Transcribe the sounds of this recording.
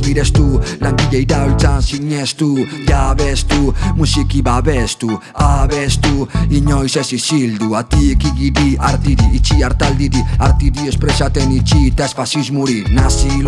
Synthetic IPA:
miɾɛst̪ulaŋkiɡɛjd̪awlt̪ansiɲɛst̪ujaβɛst̪umusikibaβɛst̪u | aβɛst̪uiɲɔjsɛsisild̪uat̪ikiɡid̪iaɾt̪id̪iːt͡ʃiaɾt̪ald̪id̪iaɾt̪id̪iespɾɛsat̪ɛnit͡ʃit̪ɛsfasismuɾinasi

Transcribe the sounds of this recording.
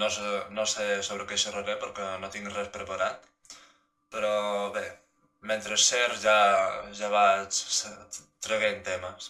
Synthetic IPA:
nosenosesoβɾəkeʃərəɾepəɾkenot̪iŋrɛspɾəpaɾat̪ | pəɾɔβe | ment̪ɾesːeɾʒaʒaβat͡ʃ | t̪ɾeɣent̪eməs

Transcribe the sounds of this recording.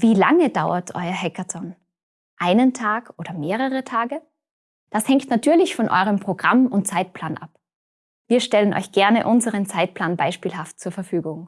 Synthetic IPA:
v̥iːla̰ŋədaʊɐtʰʔɔ̰ʏɐɦɛkatɔn | ʔaɪnəntʰaːkʔoːdɐmeːʁəʁətʰaːɡə | d̥ashɛŋktnatʰyːɐlɪçfɔnʔɔ̰ʏʁəmpʁ̥oɡʁamʊnt̚t͡saɪt̚pʰl̥aːnʔa̰p | viːɐʃtɛlənʔɔ̰ʏçɡ̥ɛɐnəʔʊnzəʁənt͡saɪt̚pʰl̥aːnbaɪʃpiːlɦaftt͡suːɐfɛɐfyːɡʊŋ

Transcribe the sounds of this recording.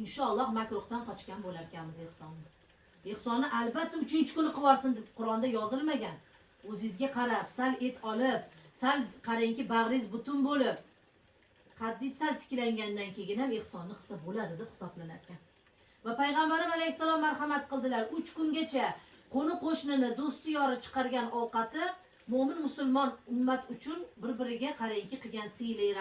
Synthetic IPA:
ɪnʃɒlˠːɒhmakʲɾʊχt̪anqɒt͡ʃkʲanbolaɾkʲʰanmɪze̞hsɒnːɪ | e̞hsɒnːɪʔalbat̪ʰːaʊt͡ʃʰɪnt͡ʃʰɪkʊnɨqʰɨvɒɾsɪnd̪ɪbqʰʊɾɒnd̪ajɒzɪlˠmaɡʲan | ɵzɪjɪzɡʲaqʰɑɾapsale̞t̪ʰɒlɪp̚salqʰɑɾaŋkʲɪbaʁɾɪzbʊt̪ʰʊnbolɪp̚ | qʰɑd̪ːɪjsalt̪ʰɪ̥kʲlaŋɡʲand̪ankʲʰe̞ɡʲɪnhamehsɒnːɪqʰɨ̥sabolad̪ɪd̪ɪphɪ̥sɒblanaɾkʲʰan | vapajʁɑmbaɾɪmalejsːalˠɒmːaɾhɑmat̪̚qɨlˠd̪ɪlaɾʊt͡ʃkʊŋɡʲat͡ʃʰaqʰonɪqoʃnɪnɪd̪ost̪ɪjɒɾɪt͡ʃʰɨ̥qɑɾɡʲanɒwqɑt̪ɪ | mʊmɪnmʊsʊlˠmɒnʊmːat̪ʊt͡ʃʰʊnbɪɾbɪɾɪɡʲaqʰɑɾajɪŋkʲɪqʰɨɡʲansɪjlɪjɾa

